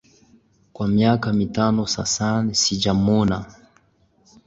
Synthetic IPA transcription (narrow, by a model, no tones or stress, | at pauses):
kwamiakamitanɔsa̰sanisid͡ʒamɔna